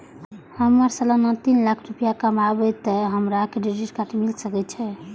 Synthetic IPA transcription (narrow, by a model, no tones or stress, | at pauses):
həmːəɾsələnət̪inlakʰɾupijakəmabɛt̪ːəɦəmɾakeɖid͡ʒiʈkaʈʰmilsəkɛt̪̚t͡ʃʰɛ